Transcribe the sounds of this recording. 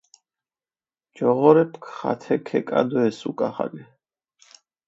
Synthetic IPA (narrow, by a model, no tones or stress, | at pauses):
d͡ʒɔʁɔɾɛpʰkʰχa̰t̪ʰɛkʰɛkʼa̰d̪ɔɛsukʼaχa̰ɡɛ